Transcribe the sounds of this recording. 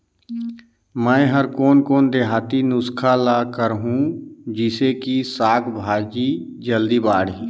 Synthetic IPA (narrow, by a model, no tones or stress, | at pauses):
mɛ̃ːɦəɾkoːnkoːnd̪eɦaːt̪inʊskʰalaːkəɾɦũd͡ʒɪsekisaːkʰbʱaːd͡ʒi | d͡ʒəld̪ibaːɽi